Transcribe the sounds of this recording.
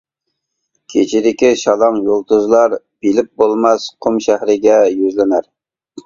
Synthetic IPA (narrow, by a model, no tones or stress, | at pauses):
kʲʰet͡ʃʰid̪ɪkʲiʃɑlˠɑmjolˠt̪uzlˠɑɾ | b̥ilɪp̚bolˠmɑsqʰʊmʃæhɾɪɡʲɛjyzlɪnæɾ